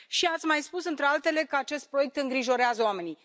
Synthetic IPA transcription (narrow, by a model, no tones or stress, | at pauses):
ʃiat̪sʲmajspusɨnt̪ɾealt̪e̞le̞kəat͡ʃe̞st̪̚pɾo̞je̞k̚t̪ɨŋɡɾiʒo̞ɾeazəoame̞ni